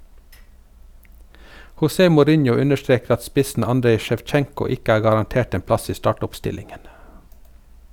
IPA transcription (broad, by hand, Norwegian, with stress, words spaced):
hʊˈseː mʊˈɾɪnjʊ ˈʉnəʃˌtɾeːk ˈɑt ˈspɪsn̩ ˈɑndɾeɪ ʃɛʋˈt͡ʃɛŋkʊ ˈɪk ˈæː ɡɑʁɑnˈteːʈ ˈeːm ˈplɑs ˈiː ˈstɑʈʊpˌstɪlɪŋən